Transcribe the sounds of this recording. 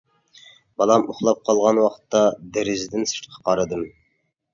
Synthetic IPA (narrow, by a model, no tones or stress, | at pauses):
bɑlˠɑmʊχlˠɑp̚qʰɑlˠʁɑnwɑqʰt̪ːɑd̪eɾɪzd̪ɪnsɨ̥t̪qʰɑ̥qʰɑɾɨd̪ɨm